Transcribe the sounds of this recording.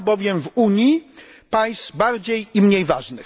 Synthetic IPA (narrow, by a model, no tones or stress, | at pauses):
bɔvʲjɛmvuɲi | paj̃st̪baɾd͡ʑejimɲejvaʐnɘx